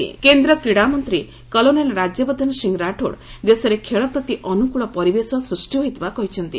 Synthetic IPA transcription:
ḭkend̪ɾɔkɾiɽamɔnt̪ɾi | kɔlonelɾad͡ʒjɔbɔd̪ʱnsiŋɡɾaʈʰo̰ɽd̪esɔɾekʰeɭɔpɾɔt̪iʔɔnukuɭɔpɔɾibesɔsɾusʈiɦoɦjt̪bakɔɦit͡ʃʰɔnt̪ḭ

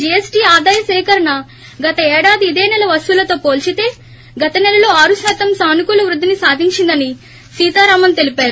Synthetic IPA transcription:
d͡ʒɛesʈiːaːd̪aːjɐsɛːkɐɾɐnɐ | ɡɐt̪ɐɛːɽaːd̪iːd̪ɛːnɛlɐʋɐst̪ulɐt̪o̞ːpo̞ːlt͡ʃit̪e̞ː | ɡɐt̪ɐnɛlɐloːaːɾusaːt̪ɐmsaːnikulɐʋɾud̪ʱːinisaːd̪ʱiɲt͡ʃind̪ɐni | siːt̪aːɾaːmɐnt̪e̞lipaːɾu

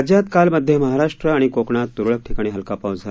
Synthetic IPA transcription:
d͡ʑjat̪kalməd̪ʱjeməɦaɾaʂʈɾəaɽ̃ikokɳat̪̚t̪uɾɭək̚ʈʰikaɽ̃iɦəlkapaʋd͡zʱa

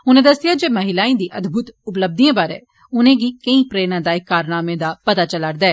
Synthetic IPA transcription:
ʊnẽd̪ɐsɪjad͡ʒeːmɐɦɪlaːĩd̪iːʔɐd̪bʱʊt̪ʊpləb̚d̪iẽbaːɾḛ̃ː | ʊnẽɡikɐĩpɾeːnãd̪aːɪkːaːɾnaːmẽd̪apɐt̪at͡ʃɐlaɽd̪aɛː

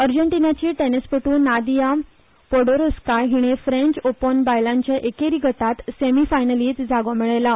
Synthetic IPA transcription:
əɾd͡ʑəɳʈinat͡ɕiːʈenespəʈuːnːad̪ijam | pɔɽoɾoskaɾɦiɽ̃efɾẽɲt͡ɕopənbajlãɲt͡ɕjaʔekeɾiɡʱət̪at̪semifajnəliːt͡s̪d͡zaɡomiɭajla

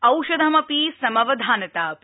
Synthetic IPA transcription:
ɐwʃɐd̪ʱɐmɐpisɐmɐʋɐd̪ʱaːnɐt̪aːp

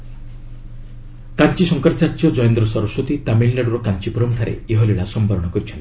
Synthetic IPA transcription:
kant͡ʃisɔŋkaɾt͡ʃaɾt͡ʃɔd͡ʒɔjend̪ɾɔsɔɾɔswot̪it̪aminlaɽuɾɔkant͡ʃipuɾɔmk̪ʰaɾḛeɦɔliɭasɔmbaɾɔɽ̃ɔkɔɾit͡ʃʰɔnt̪i̥

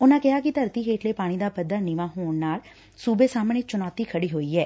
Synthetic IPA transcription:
ʊnãːkɪɦaːkɪt̪əɾt̪iːɦeːʈleːpaːɽ̃iːd̪aːpəd̪ːaːnɪʋãːɦoːɳnaːl | suːbeːsaːmneːt͡ʃʊnɔːt̪iːkʰəɽiːɦoːiːɛː

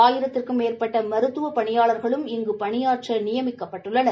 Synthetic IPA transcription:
aːjɪɾɐt̪ːɪrkɯmeːrpɐʈːɐmɐɾɯt̪ːɯʋɐpɐɳɪjaːɭɐɾɣɐɭɯmɪŋɡɯpɐɳɪjaːrʈʂɐnɪjɐmɪkːɐpːɐʈːɯɭːɐnɐ

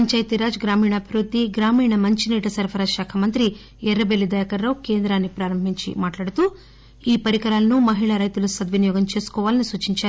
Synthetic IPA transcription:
ɐɲt͡ʃaːjɐt̪iɾaːd͡ʒɡɾaːmiːɳɐːbʱiʋɾud̪ːiɡɾaːmiːɳɐmɐɲt͡ʃiniːʈɐsɐɾpʰɐɾaːd͡ʒʃaːkʰɐmɐnt̪ɾi | ɛɾːɐbelːid̪ɐːjɐkɐɾːɐwke̞ːnd̪ɾaːnːipɾaːɾɐmbʱiɲt͡ʃḭmaːʈlaːɽut̪u | iːpɐɾikɐɾaːlɐnumɐɦiɭɐɾɐjt̪ulusɐd̪ʋɐnijɔːɡɐmt͡ʃe̞ːsu̥kɔːʋaːlɐnisuːt͡ʃiɲt͡ʃaːɾu

